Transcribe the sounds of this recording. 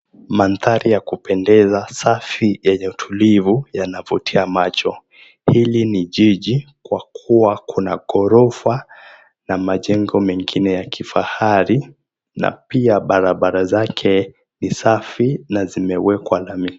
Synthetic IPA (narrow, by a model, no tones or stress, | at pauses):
manθaɾijakupɛndɛzasafijɛɲɛutʰulivujanavutʰiamat͡ʃɔ | hiliniʄiʄikwakʰuwakʰuna̰ɠɔɾɔva | namaʄɛŋɡɔmɛŋɡinɛjakʰifa̰haɾi | na̰piaɓaɾaɓaɾazakʰɛ | nisafinazimɛwɛkwalami